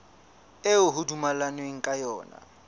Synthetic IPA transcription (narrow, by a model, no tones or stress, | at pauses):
ɪʊɦʊdumalaneŋ̩kʼajɔːna̰